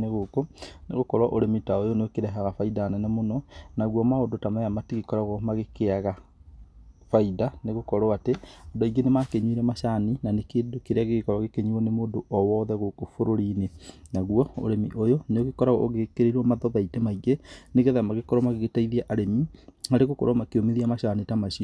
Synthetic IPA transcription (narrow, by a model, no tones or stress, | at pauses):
eɣoːkoneɣokɔɾwaʔoɾemitaojoneokeɾɛɦaɣafaidanɛnemonɔnaɣwɔmaondotamaamatiɣekɔɾaɣɔmaɣekeaɣa | faidaneɣokɔɾwaateɔdaiɡenemakeɲuiɾɛmaɕaninanekeːdokeɾeaɣeɣekɔɾaɣekeɲuɔnemoːdoʔɔwɔːðɛɣokofoɾoɾinenaɣuɔo̰ɾemiʔojoneoɣekɔɾaɣɔ̰ʔoɣekeɾeɾɔmaðɔβaitemaiɣeneɣeðaamaɣekɔɾɔmaɣeɣetaiðiaʔaɾemihaɾeɣokɔ̰ɾamakeomeðiamaɕanitamaʃiɔ